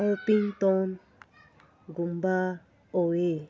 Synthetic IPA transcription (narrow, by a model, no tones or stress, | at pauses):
opiŋt̪ɔn | ɡumba | oe